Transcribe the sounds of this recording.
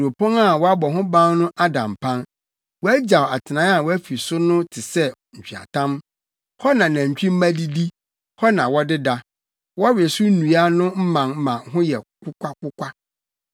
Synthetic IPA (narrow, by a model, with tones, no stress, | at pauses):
ɾo˨pʰɔ̃˦ŋa˦˨wɔ˦a˦bɔ˨ɦʊ̃˦bã˦n˦nʊ̃˦ʔa˦dã̰˨mpʰã˦n | wɔ˦æ˦d͡ʑa˨wa˨tʰɪ˨nã˦a˨wɔ˦æ˦fi˨sʊ˦nʊ̃˦tʰɪ˨sɛ˦ | ɲ̩˨t͡ɕᶣɥa̰˨tʰã˦m | hɔ˦nã˨nã˨ɲ̩˨t͡ɕᶣi˦m̩˦mã˦di˦di˦ | hɔ˦nã˨wɔ˦dɪ˦da˦ | wɔ˦a˦ɥɪ˨ɛ˨sʊ˦nũ˨a˦nʊ̃˦m̩˦mã˨ŋm˦mã˨ɦʊ̃˦jɛ˨kʷʰʊ˦kʷa˦kʊ˦kʷa˦